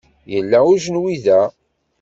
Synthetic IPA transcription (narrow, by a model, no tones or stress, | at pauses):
jəlːæuʒənwiðæ